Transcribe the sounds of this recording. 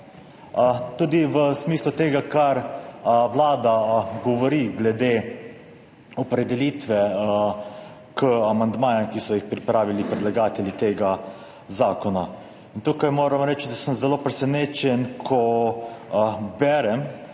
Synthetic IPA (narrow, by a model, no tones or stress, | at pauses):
t̪uːd̪iʋəsmiːslut̪eːɡakaɾʋlaːd̪aɡɔʋɔɾiɡlɛd̪e | ɔpɾɛd̪ɛliːt̪ʋɛ | kəamand̪maːjamkisɔjixpɾipɾaːʋilipɾɛd̪laɡaːt̪ɛljit̪eːɡa | zaːkɔna | int̪uːkajmoːɾamɾɛːt͡ʃd̪asəmzɛloːpɾɛsɛneːt͡ʃɛnkʰɔ | bɛɾɛm